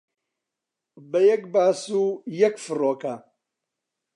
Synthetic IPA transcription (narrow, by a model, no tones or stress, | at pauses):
bɐjɐk̚baːsujɐkfɨroːkɐ